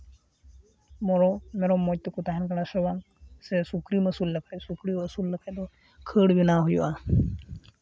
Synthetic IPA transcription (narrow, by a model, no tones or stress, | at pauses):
mɔɾɔmɛɾɔmːɔj̚t̪ːɔkut̪aɦɛnkaɽasewaŋ | sɛsukɾiməsulːəkʰacsukɾiəsulːəkʰac̚d̪ɔ | kʰəɽbinaɦujṵʔa